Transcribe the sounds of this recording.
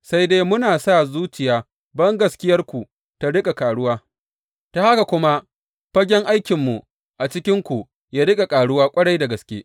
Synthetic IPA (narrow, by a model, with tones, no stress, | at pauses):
sa˦jdeː˦mʊ˦naː˨sa˦˨zuː˦t͡ʃɪ˨jaː˨ | bɐ˦ŋɡɐ˨skʲɪ˦jɐ˦rkʷu˨ | ta˦ɽɪ˦kʼa˨kaː˨ɽʊ˦waː˦ | ta˨ha˦ka˨kʷʊ˦ma˦ʔ | ɸɐ˦ɡʲɛ˦ŋʔa˦jkʲɪ˨mːu˨ | ʔa˨t͡ʃɪ˦kʲɪ˦ŋkʷu˨ | jaː˦ɽɪ˦kʼa˨kʼaː˨ɽʊ˦waː˦kʷʼɐ˦ɽa˦jda˨ɡɐ˨skʲeː˦